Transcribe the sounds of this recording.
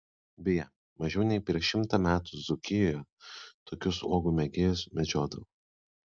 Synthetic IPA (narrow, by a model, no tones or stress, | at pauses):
bʲɪjɛ | mɐʒʲɛʊnʲɛɪpʲɾʲiɛʃʲɪmt̪ɑmʲæːt̪ʊzʊkʲɪjoːjɛt̪oːkʲʊsoːɡʊmʲɛɡʲeːjʊsmʲɛd͡ʒʲoːd̪ɐ